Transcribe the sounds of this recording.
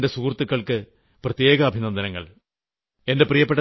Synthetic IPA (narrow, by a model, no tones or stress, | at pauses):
ndesuːrt̪ːɨkːɐɭkɨ | prɐt̪je̞ːɡɐːbʱinɐnd̪ɐnɐŋːɐ̰ɭ | e̞nde̞prijɐpːe̞ʈːɐ